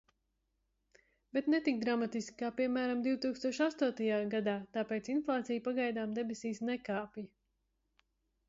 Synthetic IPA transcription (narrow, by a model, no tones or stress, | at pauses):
bɛt̪nɛt̪ik̚d̪ɾamat̪iskʲi̥kaːpiɛmæːɾamd̪iwt̪uːkst̪uɔʃast̪uɔt̪ajaːɡad̪aːt̪aːpeːt̪sinflˠaːt̪sijpaɡajd̪aːmd̪ɛbesiːsnɛkaːpji